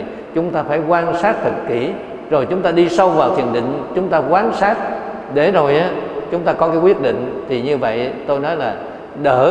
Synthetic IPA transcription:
t͡ɕʊ˨˦ŋ͡mt̪aː˧faː˧˩jkwaː˧nsaː˦˥t̚t̪ʰɨ˨˩t̚ki˧˩ | zo˨˩jt͡ɕʊ˨˦ŋ͡mt̪aː˧ɗi˧sa˧wvaː˨˩wt̪ʰi˨˩ənɗḭ˧˨ŋ̟t͡ɕʊ˨˦ŋ͡mt̪aː˧kwaː˨˦nsaː˦˥t̚ | ɗe˧˩zo˨˩jʔaː˨˦t͡ɕʊ˨˦ŋ͡mt̪aː˧kɔ˨˦kaː˨˦jkwi˦˥ət̚ɗḭ˧˨ŋ̟t̪ʰi˨˩ɲɨ˧və̰˧˨jt̪o˧jnɔ˨˦jlaː˨˩ | ɗəː˧˩

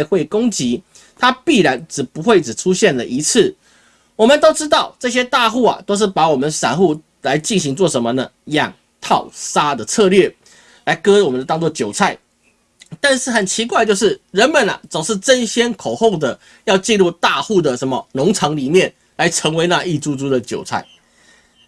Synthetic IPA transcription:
xwe˥˩ɪkʊ˥ŋt͡ɕi˧˥ | t̪ʰa˥pi˥˩ɻa˧˦nʈ͡ʂɻ̩˨˩pu˧˥xwe˥˩ɪʈ͡ʂɻ̩˨˩ʈ͡ʂʰu˥ɕjɛ˥˩nlə˨˩ʔi˧˥t͡s̩ʰ˥˩ | wɔ˨mə˨nt̪o˥ʊʈ͡ʂɻ̩˥t̪ɑ˥˨ʊʈ͡ʂɤ˥˧˩ɕ̬jɛ˥t̪a˥˧xu˥˩a̰˨˩t̪o˥ʊʂ̬ɻ̩˥˩pa˧˥wɔ˨˩mə˨˦nʂa˨˩nxu˥˩ | la˧˥ɪt͡ɕi˥˩nɕi˧˥ŋt͡swɔ˥˩ʂə˧˥nmə˧nə˨ | jɑ˨˩ŋ | t̪ʰɑ˥˩ʊsa˥d̪ə˨t͡sʰɤ˥˧lɥɛ˥˩ | la˧˥ɪkɤ˥wɔ˨˩mə˦nd̪ə˩t̪ɑ˥ŋt͡swɔ˥˨˩ət͡ɕjo˨˩ʊt͡sʰa˥˩ɪ | t̪a˥˧nʂɻ̩˥˩xə˨˩nt͡ɕʰi˧˥k̬wa˥˧t͡ɕjo˥˧ʊʂɻ̩˥˩ɻə˧˥nmə˨na̰˨˩t͡so˨˩ŋʂɻ̩˥˩ʈ͡ʂə˦˥nɕjɛ˥nkʰo˨˩ʊxo˥˩ʊŋd̪ə˩ | jɑ˥˧ʊt͡ɕi˥˧nlu˥˧t̪a˥˧xu˥˩d̪ə˩ʂə˧˦nmə˨nʊ˧˥ŋt͡sʰɑ˧˥ŋli˨˩mjɛ˥˩n | la˧˦ɪʈ͡ʂʰə˧˥ŋwe˧˥ɪna˥˧ʔi˥˩t͡su˥t͡su˥d̪ə˨t͡ɕjo˨˩ʊt͡sʰa̰˥˩ɪ

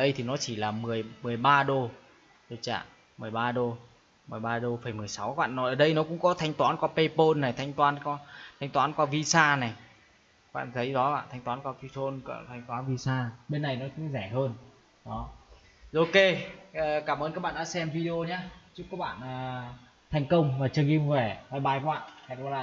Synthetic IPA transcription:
ɗə˧jt̪ʰi˨˩nɔ˨˦t͡ɕi˧˩laː˨˩mɨ˨˩əjmɨ˨˩əjɓaː˧ɗo˧˩ | ɗo˨˧˩t͡ɕa̰ː˧˨ | mɨ˨˩əjɓaː˧ɗo˧ | mɨ˨˩jɓaː˧ɗo˧fə˧˩jmɨ˨˩əjsa˨˦wkːɓa̰ː˧˨nːɔ˨˦ʔəː˧˩ɗə˧jnɔ˨˦kʊ̰˧˥ŋ͡mkɔ˨˦t̪ʰa˧jŋ̟t̪waː˨˦nkwaː˧pe˧po˧nːa˨˩jt̪ʰa˧jŋ̟t̪waː˨˦nkɔ˧t̪ʰa˧jŋ̟t̪waː˨˦nkwaː˧vi˧saː˧na˨˩j̚ | ɓa̰ː˧˨nt̪ʰə˨˦jzɔ˨˦ɓa̰ː˧˨nt̪ʰɛ˧ŋ̟t̪waː˨˦nkwaː˧˦ki˧t̪ʰo˧nkt̪ʰa˧jŋ̟t̪waː˨˦nvi˧saː˧ɓe˧nːa˨˩jnɔ˨˦tɨ˧˦zɛ˧˩ɦəː˧n | ɗɔ˨˦ | ʔo˧keː˧˨kaː˧˩mʔəː˧nka˦˥ɓaː˧˨ɗaː˧˥sɛ˧mvi˧ɗe˧o˧ɲaː˨˦t͡ɕu˦˥kːɔ˨˦k̚ɓa̰ː˧˨nʔəː˨˩ | t̪ʰɛ˨˩jŋ̟kə˧wŋ͡mvaː˨˩t͡ɕə˧˩ŋi˧m˧vɛ˧˩vaː˨˧˩jɓaː˧˩jkɔ˦ɓa̰ː˧˨nʰa˨˩kɔ˧˩laː˧˨˩

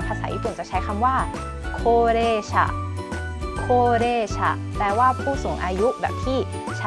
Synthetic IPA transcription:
pʰa˧saː˩˦ʔḭː˧˩pu˨˩nt͡ɕa˨˩k̚t͡ɕʰa˦˥jkʰa˧mwaː˥˩ | kʰoː˧ɾeː˧˩t͡ɕʰa̰˧˩ | kʰoː˧ɾeː˧˩t͡ɕʰa̰˧˩ | pɛː˧˩waː˥˩pʰuː˥˩su˨˩˦ŋʔaː˧ju˦˥bɛ̰ː˨˩p̚t̪ʰiː˥˩ | t͡ɕʰa˦

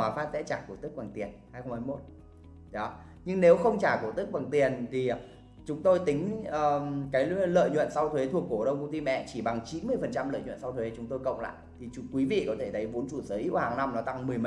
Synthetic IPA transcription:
aː˨˦faː˦˥t̚zɛ̰˧˥t͡ɕaː˧˩ku˧˩t̪ɨ˦˥k̚a˨˩ŋt̪i˨˩ənhaː˧jxə˧ŋ͡mhaː˧jmo˦˥t̚ | ɗɔ˨˦ | ɲɨ˧ŋne˨˦wxə˧wŋ͡mt͡ɕaː˧˩ku˧˩t̪ɨ˦˥k̚ɓa˨˩ŋt̪i˨˩ənt̪ʰi˨˩ | t͡ɕʊ˨˦ŋ͡mt̪o˧jt̪ï˨˦ŋ̟əː˨˩kaː˨˦jlə̰ː˧˨jɲwə̰˧˨nsa˧wt̪ʰwe˨˦t̪ʰu˨˩əkːo˧˩ɗə˧wkə˧ŋ͡mt̪i˧mɛ̰˧˨t͡ɕi˧˩ɓa˨˩ŋt͡ɕi˨˦nmɨ˧əjfə˨˩nt͡ɕa˧mlə̰ː˧˨ɲw̰nsa˧wt̪we˨˦t͡ɕʊ˨˦ŋ͡mt̪o˧jkə̰˧˨wŋ͡mla̰ː˧˨jt̪ʰi˨˩˨kwi˨˦vḭ˧˨kɔ˨˦t̪ʰe˧˩t̪ʰə˨˦jvo˨˦nt͡ɕu˧˩səː˨˦jʔi˦˥whaː˨˩ŋna˧mnɔ˨˦t̪a˧ŋmɨ˨˩əjm˨

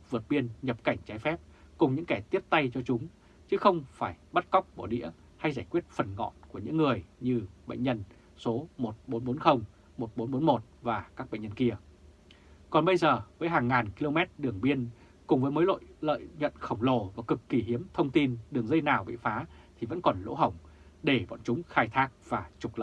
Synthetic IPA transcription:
vɨ˨˩ət̚ɓi˧ənɲə˨˩p̚ka˧˩jŋ̟t͡ɕaː˨˦jfɛ˦˥p̚kʊ˨˩ŋ͡mɲɨ̰˧˥ŋkɛ˧˩t̪i˦˥əp̚t̪a˧jt͡ɕɔ˧t͡ɕʊ˨˦ŋ͡m | t͡ɕɨ˨˦xə˧wŋ͡mfaː˧˩jɓa˦˥t̚ka˦˥wk͡p̚ɓo˧˩ɗḭ˧˥ə | ha˧jzaː˧˩jkwi˦˥ət̚fə˨˩nŋɔ̰˧˨nku˧˩əɲɨ̰˧˥ŋːɨ˨˩əjɲɨ˧ɓə̰˧˨ŋ̟ɲə˧n | so˨˦mo˨˩t̚ɓo˨˦nɓo˨˦nxə˧wŋ͡m | mo˨˩t̚ɓo˨˦nɓo˨˦nmo˨˩t̚vaː˨˩kaː˦˥k̚ɓə̰˧˨ŋɲə˧nki˧ə | kɔ˨˩nɓə˧jzəː˨˩vəː˨˦jɦaː˨˩ŋːaː˨˩nki˧lo˧mɛ˦˥t̚ɗɨ˨˩əŋɓi˧ən | kʊ˨˩ŋ͡mvəː˨˦jməː˨˦lo̰˧˨jlə̰ː˧˨jɲə̰˧˨nxə˧˩wŋ͡mlo˨˩vaː˨˩kɨ˨˩kːi˨˩ɦi˨˦əmt̪ʰə˧wŋ͡mt̪i˧nɗɨ˨˩əŋzə˧jnaː˨˩wɓḭ˧˨faː˨˦t̪ʰi˨˩və̰˧˥nkɔ˨˩nlo̰˧˥ɦə˧˩wŋ͡m | ɗe˧˩vɔ̰˧˨nt͡ɕʊ˨˦ŋ͡mxaː˧jt̪ʰaː˦˥k̚v̥aː˨˩t͡ɕʊ˨˩k͡p̚lə̰˧˨˩

